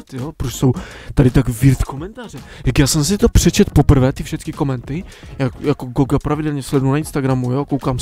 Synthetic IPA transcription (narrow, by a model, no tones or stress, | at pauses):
t̪jɔpɾut͡ɕsɔwt̪adɪt̪aɡviɾt̪kɔmɛnt̪aʐɛ | jakjaːsɛms̬ɪt̪ɔpʂɛt͡ɕɛt̪pɔpɾvɛt̪ifʂɛt̪skʲikɔmɛnt̪ɪjajakoɡɔɡapɾavid̪ɛlɲɛslɛd̪uunainst̪aɡɾamujɔkowkam